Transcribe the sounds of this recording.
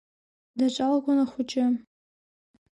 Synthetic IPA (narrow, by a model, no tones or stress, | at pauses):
dat͡ʃʷʼalɡʷʊnaχʷʊt͡ʃʼɪ